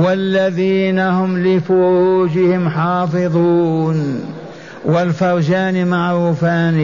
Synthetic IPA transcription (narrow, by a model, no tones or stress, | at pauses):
walːaðiːnahʊmlɪfʊɾuːd͡ʒɪhɪmħɑːfɨðˤuːn | wɪlfɑɾˤd͡ʒaːnmaʕɾuːfaːn